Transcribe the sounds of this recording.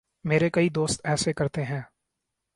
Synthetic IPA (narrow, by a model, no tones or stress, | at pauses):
meːɾekɐid̪oːst̪ɛːsekɐɾt̪eɦɛ̃ː